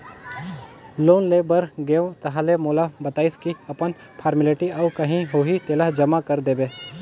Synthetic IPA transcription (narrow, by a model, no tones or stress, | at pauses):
loːnleːbəɾɡeõt̪ɐɦalemoːlabɐt̪aːɪskiɐpən | pʰaːɾmɪleʈiɐʊkɐɦĩɦoːɦit̪eːlaɦd͡ʒɐmakɐɾd̪eːbeː